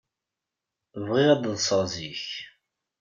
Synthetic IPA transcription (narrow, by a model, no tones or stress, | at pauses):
vʁɪʁæd̪ðˤsˤəʁziç